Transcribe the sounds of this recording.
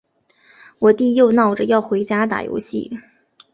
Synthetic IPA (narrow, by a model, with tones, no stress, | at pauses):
wɔ˨˩t̪i˥˧jo˥˧ʊnɑ˥˩ʊʈ͡ʂə˩jɑ˥˩ʊxwe˧˥ɪt͡ɕja˥t̪a̰˨˩jo̰˧˥ʊɕḭ˥˩